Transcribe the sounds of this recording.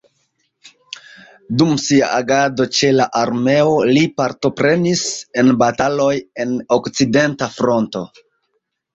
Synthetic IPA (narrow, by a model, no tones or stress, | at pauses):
dumsia̰ʔaɡado̞t͡ʃe̞laʔaɾme̞o̞lipaɾto̞pɾe̞nise̞nbatalo̞je̞no̞kt͡side̞ntafɾo̞nto̞